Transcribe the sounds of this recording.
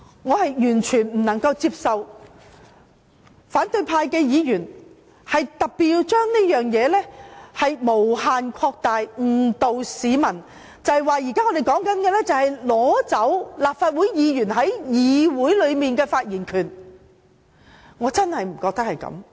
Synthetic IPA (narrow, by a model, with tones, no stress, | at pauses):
ŋɔː˨˧hɐ˨jjyː˨˩nt͡ʃʰyː˨˩nm̩˨˩nɐ˨˩ŋkɐ˧wt͡siː˧p̚sɐ˨w | faː˨˥nt̪ɵ˧ɥpʰaː˧jkɛː˧jiː˨˧jyː˨˩n | hɐ˨jt̪ɐ˨p̚pːi˨˧wt͡ʃœː˥ŋniː˥jœː˨ŋjɛː˨˧lɛː˥hɐ˨jmo˨˩whaː˨nkʰɔː˧k̚t̪aː˨jŋ̩˨˩t̪o˨wsiː˨˥mɐ˨˩n | t͡sɐ˨hwaː˨˧jiː˨˩kaː˥ŋɔː˧de˨jkɔː˨˥ŋkɐ˨˥nkɛː˧lɛ˥t͡sɐ˨whɐ˨jlɔː˨˥t͡sɐ˨˥wlaː˨p̚faː˧t̚wuː˨˥jjiː˨˧jyː˨˩nɦɐ˨˥jjiː˨˧wuː˨˥jlɵ˨˧ɥmiː˨nkɛː˧faː˧t̚jiː˨˩nkʰyː˨˩n | ŋɔː˨˧t͡sɐ˥nhɐ˨jm̩˨˩kɔː˧k̚t̪ɐ˥k̚hɐ˨jkɐ̰˨˧˥m